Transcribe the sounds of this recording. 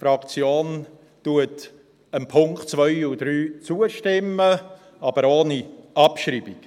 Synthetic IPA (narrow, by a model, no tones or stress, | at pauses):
fɾɑkt͡sjoːn | tuət | ənpʰʊŋktt͡svœʏud̥ɾyːt͡suəʃtɪmːə | ɑb̥əɾoːniʔɑpʃɾiːbik